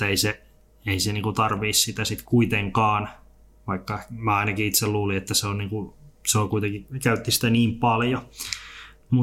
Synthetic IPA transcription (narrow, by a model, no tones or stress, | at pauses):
eise | eiseniːŋkut̪ɑrʋiːssit̪æsit̪kuit̪eŋkɑːn | ʋɑikːɑmæɑinɑkiit̪selluːliet̪ːæseonniːŋkuseolkuit̪eŋkikæyt̪ːisi̥t̪æniːmpɑljo | mu